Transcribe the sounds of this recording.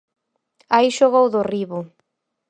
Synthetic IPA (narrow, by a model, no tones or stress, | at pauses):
aiʃoɣowðʊriβʊ